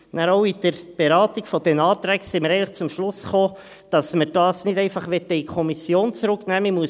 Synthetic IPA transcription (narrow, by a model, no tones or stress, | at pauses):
næɾoʊid̥əɾb̥eɾɑːtikfɔd̥ɛnɑːt̪ɾæksɛməɾɛɪnləχt͡sʊmʃlʊsχoː | d̥ɑsməɾd̥ɑːsnɪdɛɪnfɑχʋɛt̪ːəikʰɔmisjoːnt͡sɾʊknæːmimuə